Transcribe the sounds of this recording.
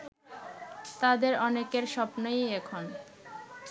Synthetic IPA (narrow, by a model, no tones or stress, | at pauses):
t̪ad̪eɾɔnekeɾʃɔpnojekʰon